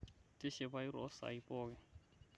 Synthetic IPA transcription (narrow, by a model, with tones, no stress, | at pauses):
tʼɪ˦ʃɛ˨ba˦i˦ɾɔ̰˦sa̰˨ipʼɔː˦k̬ɛ˨